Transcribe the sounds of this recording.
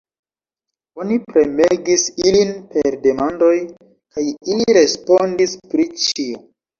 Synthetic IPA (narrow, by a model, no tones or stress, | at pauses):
o̞nipɾe̞me̞ɡisilinpe̞ɾde̞mando̞j | kajiliɾe̞spondispɾit͡ʃio